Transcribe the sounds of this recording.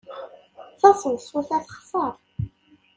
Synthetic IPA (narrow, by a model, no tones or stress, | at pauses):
θɑsˤənsuθæθχsˤɑɾˤ